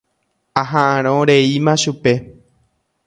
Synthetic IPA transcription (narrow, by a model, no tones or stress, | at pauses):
aɦãʔãɾ̃õɾe̞imãʃupe̞